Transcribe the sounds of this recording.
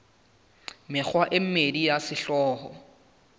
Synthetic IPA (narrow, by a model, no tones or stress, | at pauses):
mɪk͡xʰwaʔɪm̩medijasɪɬɔːɦɔ